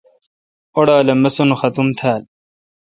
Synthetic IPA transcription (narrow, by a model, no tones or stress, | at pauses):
oɽaːlɐmɐsunuxɐt̪umt̪ʰaːl